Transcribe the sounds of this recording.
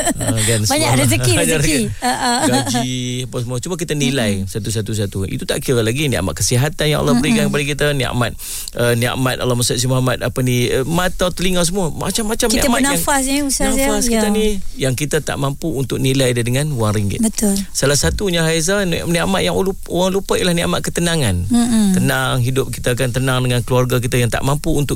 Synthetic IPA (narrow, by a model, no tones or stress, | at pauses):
ɡanbaɲadasəkiaɾkiaʔɡad͡ʒiapasəmuət͡ʃumək̬it̪anilajsat̪us̬at̪us̬at̪uḭt̪ut̪a̰ʔkiɾəlaɡinia̰ma̰ʔkəsiɦat̪anja̰ŋa̰lɔhbəɾiɡankəp̬adəkit̪ənia̰ʔmat̪̚ | ənia̰ʔmat̪a̰lɔhmasʊʔ̪s̬imamat̪̚apənimat̪awt̪əliŋas̬əmuəma̰t͡ʃamːat͡ʃamkiamanaafasausaafaskianijaŋkit̪at̪a̰ʔmampuunt̪ʊk̚nilajdadəŋanwaŋɾiŋɡɪ̰tbət̪ʊlsalahsat̪uɲaɦajz̬anniaʔmat̪̚jaŋlu | owaŋlupəʔilahnia̰ʔmat̪ʔ̪̚kət̪ənaŋant̪ənaŋɦidʊp̚kit̪ak̬ant̪ənaŋdəŋankəluarɡak̬it̪ajaŋt̪a̰ʔmampuunt̪ʊk